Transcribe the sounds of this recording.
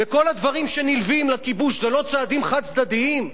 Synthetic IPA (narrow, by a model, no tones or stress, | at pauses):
veko̞lad̪vaʁimʃe̞nilvimlakibuʃzelo̞t͡saːd̪imχad̪̚t͡sd̪ad̪iim